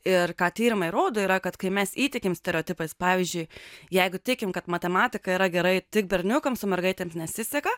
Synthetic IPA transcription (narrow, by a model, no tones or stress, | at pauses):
ɪrkɑːt̪ʲiːɾʲɪmɐɪɾoːd̪oːiːɾɐkɐt̪kɐɪmʲɛsiːt̪ʲɪkʲɪmsʲt̪ʲɛɾʲɛoːt̪ʲɪpɐɪspɑːʋʲiːzʲd͡ʒʲʊɪjɛɪɡʊtʲɪkʲɪmkɐt̪mɐt̪ʲɛmɑːt̪ʲɪkɐiːɾɐɡʲɛɾɐɪt̪ʲɪk̚bʲɛɾʲnʲʊkɐmsʊmʲɛrɡɐɪt̪ʲeːmsnʲɛsʲɪsʲɛkɐ